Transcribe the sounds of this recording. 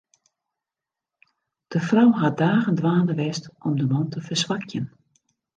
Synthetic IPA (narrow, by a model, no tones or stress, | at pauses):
d̥əfrawɦadaːɣəndʋaːnəʋɛstɔmdəmɔntəfərsʋakʰjən